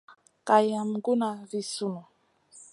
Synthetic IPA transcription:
ka˨ja˨mɡu˦na˨vi˨su˦nu˨

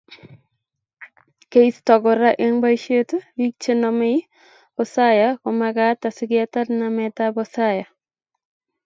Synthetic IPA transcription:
ke˦istɔ˨ɡɔ˨ɾa˦ʔe˦ŋba˦ʃe˦tɾi˦k̚t͡ʃe˦nɔ˨me˦ | ɔsajakomaɡata˨sɪ˦ɡɪata˦tnamɛtabɔsaja˨

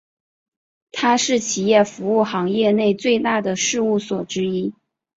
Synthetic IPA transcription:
t̪ʰa˥ʂɻ̩˥˩t͡ɕʰi˨˩jɛ˥˩fu˧˥u˥˩xɑ˧˥ŋjɛ˥˧ne˥˧ɪt͡swe˥˧ɪt̪a˥˩d̪ə˩ʂɻ̩˥˧u˥˩swɔ˨˩ʈ͡ʂɻ̩˥i˥

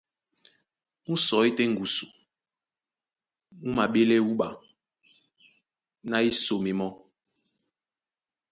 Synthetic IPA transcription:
mu˦sɔ˨i˦tɛ˦ŋ̩˨ɡu˨su˨ | mu˦ma˨ɓe˦lɛ˦u˦ɓa˨ | na˦i˦so˨mi˨mɔ˦

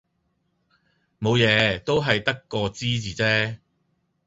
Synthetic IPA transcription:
mo˨˧wjɛː˨˧t̪o˥wɦɐ˨jt̪ɐ˥kːɔː˧t͡siː˥t͡siː˨t͡sɛː˥

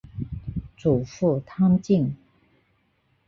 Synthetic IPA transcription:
t͡su˨˩fu˥˩t̪ʰɑ˥ŋt͡ɕi˥˩ŋ

